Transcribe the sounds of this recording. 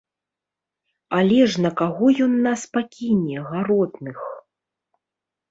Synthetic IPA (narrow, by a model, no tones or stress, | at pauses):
alʲɛʐnɐkaɣɔjɔnːaspakʲinʲɛɣaɾɔt̪nɨx